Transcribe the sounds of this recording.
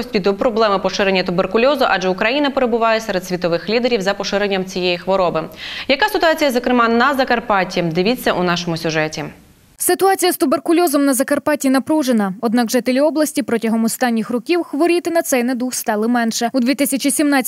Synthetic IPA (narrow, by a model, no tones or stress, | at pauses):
ɔsʲt̪ʲpʲid̪ɔpɾɔblˠɛmɪpɔʃɪɾenʲːɐt̪ʊberkʊlʲɔzʊʔɑʒɛʊkɾɐjinɐpe̞ɾebʊʋɑjɛsɛɾed̪sʲʋʲit̪ɔʋɪxlʲid̪eɾʲiwzɐpɔʃɪɾenʲːɐmt͡sʲijɛjixʋɔɾɔbɪjɐkasɪt̪ʊɑt͡sʲijɐzɔkɾɪmɑnɐzɐkɐrpɑtʲid̪ɪʋʲit͡sʲːɐʔunɑʃɔmʊsʲʊʒɛtʲi | sɪt̪ʊɑt͡sʲijɐst̪ʊberkʊlʲɔzɔmnɐzɐkɐrpɑtʲinɐpɾuʒenɐɔd̪nɑɡʒɪt̪elʲiɔblˠɐsʲtʲipɾɔtʲɐɦɔmɔst̪ɑnʲːixrɔkʲiwxʋɔɾʲit̪ɪnɐt̪sɛjnɛd̪uxst̪ɑlˠɪmɛnʃɛud̪ʲʋʲit̪ɪsʲɐt͡ʃisʲimnɑ